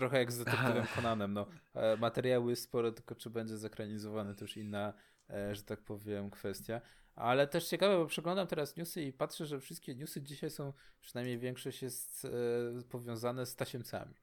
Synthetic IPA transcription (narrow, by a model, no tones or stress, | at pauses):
t̪ɾɔxɛjaɡzd̪atɨɛvɛmkɔnanɛmnɔmat̪ɛɾjawjsspɔɾɛt̪ɘlkɔt͡ʂɘbɛɲd͡ʑɛzakɾaɲizɔvanɛt̪ɔjuʂinːa | ʐɛt̪ak̚pɔvʲjɛmkfɛst̪ʲja | ʔa̰lɛt̪ɛʂt͡ɕɛkavɛbɔpʂɛɡlɔ̃nd̪amt̪ɛɾasɲusɘipatʂɛʐɛfʂɘst̪̚kʲɛɲusɘd͡ʑiɕajsɔ̃w̃pʂɨ̥najmɲejvʲjɛŋkʂɔɕt͡ɕjɛst̪pɔvʲjɔ̃w̃zanɛst̪aɕɛmsa̰mʲi